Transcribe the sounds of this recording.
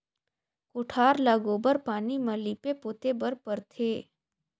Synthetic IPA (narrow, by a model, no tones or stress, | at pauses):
koʈʰaːɾlaɡoːbəɾpaːnimɐlipepoːt̪ebəɾpəɾt̪ʰeː